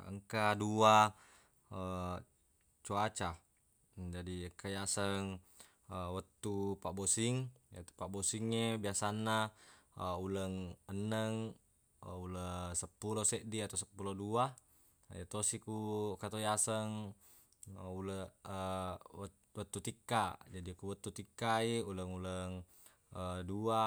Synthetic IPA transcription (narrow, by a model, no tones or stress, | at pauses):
ə̰ŋkadua | ə | t͡ʃuat͡ʃa | d͡ʒadikajasəŋ | əwat̪ːupabosiŋja̰t̪upaʔbosiŋːebiasanːa | uləŋənːəŋ | uləsəpːulosɛʔdiat̪asəpːulodua | jat̪osikukat̪ojasəŋ | ulə | wat̪ːut̪ikːad͡ʒadikuwat̪ːut̪ikːaiuləŋuləŋ | ədua